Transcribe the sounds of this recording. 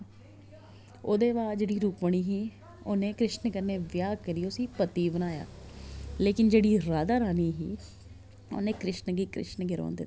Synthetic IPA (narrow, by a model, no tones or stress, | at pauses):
oːd̪eːʋaːd͡ʒeːɽiːɾuːpʋəɽ̃iːɦiː | onẽːkɾɪʃnəkəɾneːʋjaːɡkəɾiʊsiːpət̪iːbənaːja̰ː | leːkɪnd͡ʒeːɽiːɾaːd̪aːɾaːniːɦiː | o̰nẽːkɾɪʃnəɡiːkɾɪ̰ʃnəɡɪɾo̰ːnd̪ɪt̪ː